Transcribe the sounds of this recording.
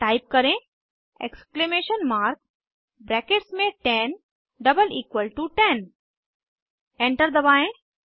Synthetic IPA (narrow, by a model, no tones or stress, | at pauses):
ʈaɪp̚kɐɾẽ | ḛksklemeːʃənmaːɾk̚ | bɾɛːkeʈsmẽʈɛn | ɖɐbəliːkʋəlʈuʈɛ̃n | ẽɳʈəɾd̪ɐbaːẽ